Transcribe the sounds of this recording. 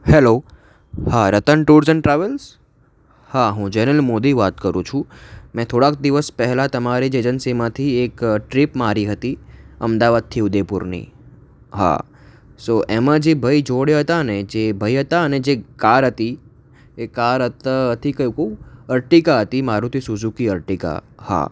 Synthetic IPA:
hɛlo | haɾət̪əɳʈuɾd͡ʒənʈɾaʋəls | haɦũd͡ʒɛnəlmod̪iʋat̪kəɾṵ̃t͡ʃʰũmɛ̃t̪ʰoɽak̚d̪iʋəspɛɦɛlat̪əmaɾed͡ʒed͡ʒənsimãt̪ʰiekʈɾipmaɾiɦət̪iəmd̪aʋad̪̚t̪ʰiʊd̪epuɾnḭ | ɦa̰ | soʔemãd͡ʒebʱəid͡ʒoɽjaɦət̪aəned͡ʒebʱəiɦət̪aəned͡ʒekaɾɦət̪i | ekaɾɦət̪aɦət̪ʰikəjũkəuəɾʈikaɦət̪imaɾũt̪ʰisud͡ʒukiəɾʈika̰ha̰

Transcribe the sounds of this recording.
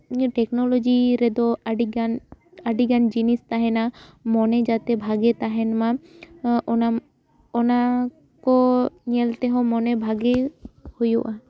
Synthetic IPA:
ʈɛknɔlɔd͡ʒiɾɛd̪ɔɖiɡan | aɖiɡand͡ʒinist̪aɦɛnamɔned͡ʒat̪ebʱaɡet̪aɦɛnmã | na | ɔna | kɔnielt̪eɦɔ̃mɔnebʱaɡehujuʔa

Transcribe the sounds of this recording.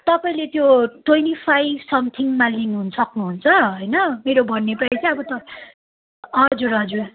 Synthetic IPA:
t̪ʌpaĩlet̪joʈwʌjnipʰajbsʌmt̪ʰiŋmalinɦunʌsʌknuɦunt͡sʰʌɦʌjnʌmeɾobʱʌnːepait͡sʌĩʌbʌt̪ʌ | ʌd͡zuɾʌd͡zua

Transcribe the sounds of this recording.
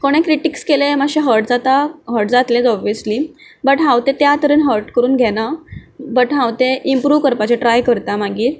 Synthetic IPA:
koɽ̃ẽkɾiʈikskelemaɕẽɦəɾʈd͡zat̪aɦəɾʈd͡zat̪lẽd͡zɔbijəsliː | bəʈɦãwt̪et̪jat̪əɾəːnɦəɾʈkəɾuːnɡʱɛnabəʈɦãwt̪eʔimpɾuːʋkəɾpat͡ɕeʈɾajkəɾt̪amaɡiːɾ

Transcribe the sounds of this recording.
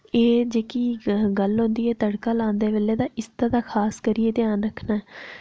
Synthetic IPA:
eːd͡ʒeːkiːɡəlɦõːnd̪iːɛːt̪əɽkaːlãːnd̪eːʋeːleːd̪aːʔɪst̪aːd̪aːkʰaːskəɾiːeːt̪ɪjaːnɾəkʰnaːɛː

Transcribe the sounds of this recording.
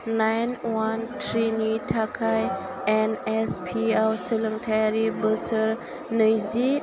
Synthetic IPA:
najnwantʰɾinitʰakʰaj | enespʰiawsələŋtʰajaɾibəsəɾ | nəjzi

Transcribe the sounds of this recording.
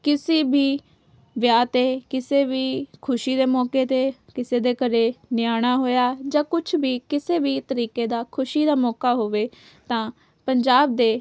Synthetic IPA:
kɪsiːbiː | ʋjaːt̪eːkɪseːʋiːkʰʊʃiːd̪eːmɔːkeːt̪eːkɪseːd̪eːkəɾeːnɪjaːɽ̃aːɦoːjaːd͡ʒãːkʊt͡ʃʰbiːkɪseːbiːt̪əɾiːkeːd̪aːkʰʊʃiːd̪aːmɔːkaːɦoːʋeː | t̪ãː | pəɲd͡ʒaːb̚d̪eː

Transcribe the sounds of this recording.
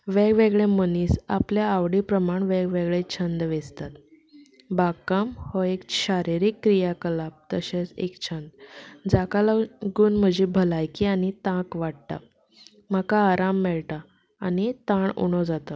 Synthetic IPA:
ʋeɡʋeɡɭẽməniːsapljaːʋɽipɾəmaɳʋeɡʋeɡɭet͡ɕʰənd̪ʋed͡zt̪at̪ | bakamhɔekɕaɾiɾikːɾijakəlap̚t̪ə̰ɕet͡sḛkt͡ɕʰənd̪d͡zakalaɡuːnm̤əd͡ʑʱibʱəlajkianit̪ãkʋaɽt̪a̰ | m̤akaːɾamːɛɭt̪aː | nit̪aɳṵɳ̃od͡zat̪ə

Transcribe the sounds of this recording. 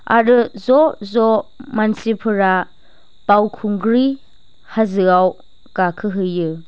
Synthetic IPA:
a̰ɾɯzɔzɔmansipʰɯɾa | pawkʰuŋɡɾi | hazɯaw | kakʰɯɦɯjɯ

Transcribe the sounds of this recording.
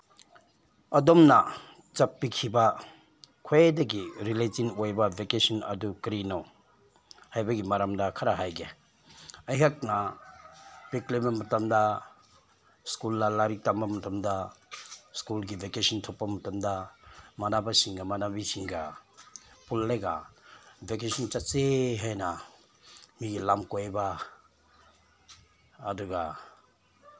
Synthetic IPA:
ɐdomnɐ | t͡ʃɐpːikʰibɐ | kʰoedɐɡiɾiletinojbɐbekesinɐ̰dukɾinaw | hajbɐɡimaɾamdɐkʰɐɾaɦajɡe | ɐjɦak̚nɐ | b̥eklebɐmɐtɐmdɐ | skulːalaɾitambamɐtamda | skulɡibʱekesintʰɔpːamɐtamdamanabasiŋɡamanabisiŋɡa | pulːeɡa | bek̬esint͡ʃaseɦajna | miɡilamkojba | duɡa

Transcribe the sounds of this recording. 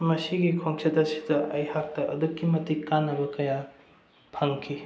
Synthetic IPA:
mɐsiɡikʰoŋsʰetɐsi̥dɐʔɐjhak̚tɐʔɐ̰dukːimɐtikanːɐbɐkɐja | pʰɐŋkʰi

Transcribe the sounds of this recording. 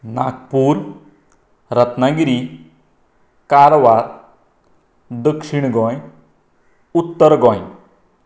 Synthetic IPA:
na̰kpuːɾ | ɾət̪naɡiɾi | kaɾʋaɾ | d̪əkʂiɳ̃ɡɔ̃j | ut̪ːəɾɡɔ̃j

